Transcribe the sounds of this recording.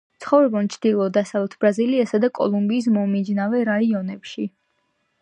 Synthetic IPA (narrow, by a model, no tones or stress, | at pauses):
t̪sʰχɔvɾɛbɔnt͡ʃʰd̪ilˠɔd̪asavlɛt̪ʰb̥ɾaziliasad̪akʼɔ̰lˠumbiːs̬mɔmid͡ʒnavɛɾaiɔnɛpʃi